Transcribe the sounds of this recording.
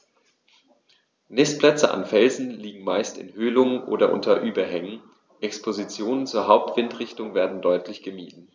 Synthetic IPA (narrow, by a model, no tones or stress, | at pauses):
nɪspl̥ɛt͡səʔa̰nfɛlzn̩liːɡŋ̩maɪstɪ̰nhøːlʊŋənʔo̰ːdɐʔʊ̰ntʰɐʔyːbɐhɛŋən | ʔɛkspʰozit͡sjoːnənt͡suːɐɦaʊp̚tv̥ɪntʁɪçtʊŋveːɐdn̩dɔʏtʰlɪçɡ̥əmiːdn̩